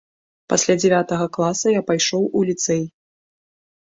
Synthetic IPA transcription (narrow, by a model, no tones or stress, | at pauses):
pasʲlʲad͡zʲɛvʲat̪ɐɣɐklˠasɐjapajʂɔwʔulʲit̪sɛj